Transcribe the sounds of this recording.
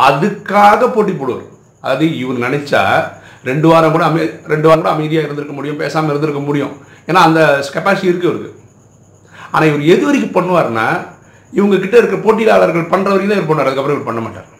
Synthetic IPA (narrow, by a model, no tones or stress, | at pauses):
ɐðɯkːaːɣɐpoːʈːip̬ːoːɽɯʋa̰ːɾ | ɐðaːðɯɪʋɐnɯnɐnɛt͡ʃːa̰ː | ɾɛɳɖɯʋaːɾɐŋkuːɽɐɐmɐɾɛɳɖɯʋaːŋkuːɽɐɐmɐɪðɪjaːɪɾɯnd̪ɯɾɯkːɐmʊɽɪjʊ̃mpeːsaːmɐɪɾɯnd̪ɪɾɯkːɐmʊɽɪjʊ̰̃ | eːnːaːɐnd̪ɐkɛpaːsɪʈiɪɾɯkːɯʋɐɾɯkɯ̰ | a̰ːnaːɪʋɐɾɛðɯʋɐɾɪkːɯpɐɳːɯʋaːɾna̰ː | ɪʋɐŋɡɐkɪʈːɐɪɾɯkːɯɾɐpoːʈ̬ːilaːɭɐɾɣɐɭpɐɳrɐʋɐɾjɐt̪aːɪʋɐɾpɐɳːɯʋaːɾɐðɯkːɐpːɾ̃ɐ̃ɪʋɐɾɯpɐɳːɐmaːʈːa̰ːɾ